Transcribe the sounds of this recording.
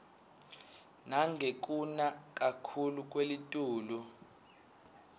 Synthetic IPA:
naŋɡʱek̬ʼunak̬ʼakʰuluk̬ʼwelitʼuːlu

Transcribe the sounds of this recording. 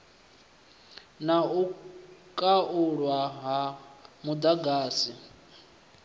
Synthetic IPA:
naukʼaʔuɺwaɦamud̪aɡaːsi

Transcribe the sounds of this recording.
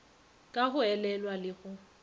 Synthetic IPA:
kʼaɣʊɛlɛlwalɪɣʊ

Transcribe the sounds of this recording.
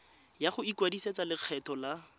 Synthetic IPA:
jaχʊikwadiset͡salɪq͡χʰɛtʰɔla

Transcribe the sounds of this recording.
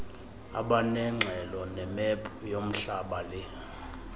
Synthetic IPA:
a̰ɓanɛŋ͡ǁʱɛlɔnɛmɛpʼjom̩ɬaɓalɛ

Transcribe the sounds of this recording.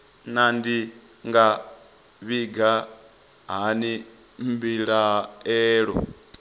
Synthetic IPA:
nandi | ŋɡa | βiɡa | ɦani | mbiɺaɦɛːɺɔ̰

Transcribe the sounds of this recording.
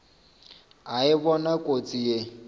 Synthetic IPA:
aɪbɔnakʼot͡sʼije

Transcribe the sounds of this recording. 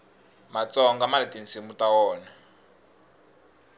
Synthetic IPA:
mat͡sɔŋɡamaɾitinsimutawɔːna

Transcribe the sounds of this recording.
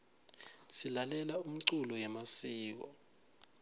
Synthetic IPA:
silalɛlaum̩ǀulɔjɛmasiːk̬ɔ

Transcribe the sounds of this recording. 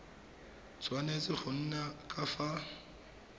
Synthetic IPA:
t͡sʼwanet͡sʼɪχʊn̩nakʼafa

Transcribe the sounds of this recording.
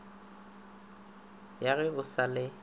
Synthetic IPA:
jaɣɛʊsalɪ

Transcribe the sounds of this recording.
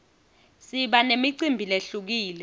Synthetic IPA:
siɓanemiǀimbʱileɬuk̬iːlɛ

